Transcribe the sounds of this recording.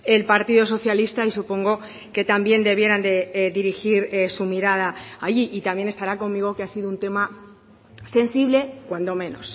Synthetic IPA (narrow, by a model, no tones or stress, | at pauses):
e̞lpaɾt̪iðo̞s̬o̞θjalist̪aisupo̞ŋɡo̞ | ke̞t̪ambje̞nd̪e̞β̞je̞ɾand̪e̞ðiɾixiɾesumiɾað̞aːʝiʔit̪amje̞ne̞st̪aɾako̞mːiɣ̞o̞keasiðount̪e̞ma | se̞nsiβle̞kwand̪o̞mẽ̞no̞̰s